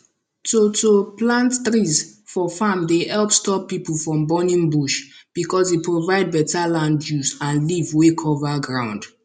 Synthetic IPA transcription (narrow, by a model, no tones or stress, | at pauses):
totoplãntθɹizfɔfamdeɛlˠpstɔpːipəl̩ˠfɹɔ̃mbɔnĩŋbuʃb̥ikɔzepʰɹovaɪd̚bɛtalãndjuzãnlivwekʰɔvaɡɹãʊ̃nd̥